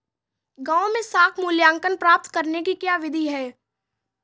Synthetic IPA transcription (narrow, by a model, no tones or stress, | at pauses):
ɡãːõmẽsaːkʰmʊljaːŋkənpɾaːp̚t̪kɐɾnekikjaːʋɪd̪ʱiɦɛː